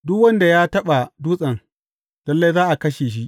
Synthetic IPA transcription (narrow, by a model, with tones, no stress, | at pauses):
dʊ˦kwɐ˦nda˨jaː˦tɐ˦ɓa˨duː˦sʼɐ˨ŋ | d̥ɐ˦lːe˦jzaː˦ʔa˨kɐ˦ʃeː˨ʃ̬i˦ʔ